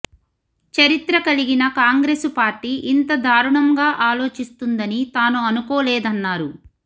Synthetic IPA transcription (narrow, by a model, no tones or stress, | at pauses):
t͡ʃɐɾit̪ɾɐkɐliɡinɐkaːŋɡɾeːspaːɾʈiːʔint̪ɐd̪ʱaːɾuɳɐŋɡaːʔaːlo̞ːt͡ʃist̪und̪ɐnit̪aːnuɐnukoːlɛːd̪ɐnːaːɾu